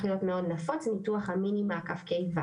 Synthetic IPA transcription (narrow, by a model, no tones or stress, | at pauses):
χjotmeo̞dnafot͡snituaχaminimaːkafkejva